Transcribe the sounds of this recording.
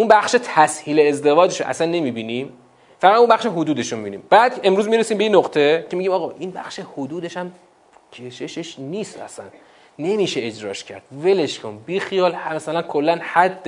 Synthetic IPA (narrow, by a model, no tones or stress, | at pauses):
ʔunbæxʃet̪ʰæshiːleezd̪e̞vɒːd͡ʒeʃoʔæ̰sænːe̞miːbiːnim | fæɣæd̪umbæχʃeɦod̪uːd̪eʃomibiːnḭːmbæːd̪̥e̞mɾuːzmiɾesimbeinːoqt̪ʰe̞cʰemiɟimɒːɣɒːʔinbæ̰xʃe̞hod̪uːd̪e̞ʃæm | cʰe̞ʃe̞ʃeʃniːst̪æ̰sæ̰nː | e̞miːʃeed͡ʒɾɒ̰ːʃcʰæ̰ɾd̪̥ve̞leʃkʰonbixijɒːlhmæsælænkʰolːænhæd̪ː